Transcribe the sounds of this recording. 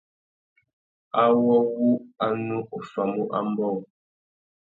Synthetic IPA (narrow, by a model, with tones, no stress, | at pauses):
a˦wɔ˦wu˦a˦nu˦ʔo˨fa˨mu˦ʔa̰˦m˦bɔ˦˨